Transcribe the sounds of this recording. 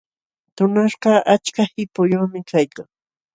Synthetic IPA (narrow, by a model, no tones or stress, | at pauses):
t̪ʊnaʃɢɑʔat͡ʃkahɪpʊjoːmɪkajkaŋ